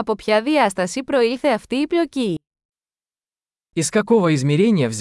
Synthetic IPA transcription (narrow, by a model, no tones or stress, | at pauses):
ɐpo̞pçɐðiɐst̪ɐsipɾo̞ilθe̞ɐft̪iːpʎo̞ci | iskɐko̞vəizmʲiɾʲenʲijəvzʲ